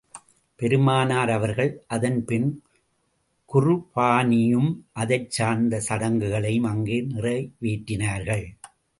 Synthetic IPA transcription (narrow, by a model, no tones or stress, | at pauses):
pɛɾɯmaːnaːɾɐʋɐɾɣɐɭʔɐðɐnpɪn | kʊrɯpaːnɪjɯmʔɐðɐɪt͡ʃːaːnd̪ɐsɐɽɐŋɡɯɣɐɭɐjɯmɐŋɡeːnɪrɐɪʋiːʈːɪnaːɾɣɐɭ